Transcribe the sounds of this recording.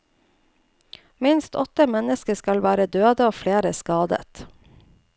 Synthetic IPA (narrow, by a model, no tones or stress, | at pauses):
mɪnst̪ʰɔt̪əmɛnəskəskɑlʋæːɾəd̪øːd̪əoːfleːɾəskɑːd̪ə̰t̪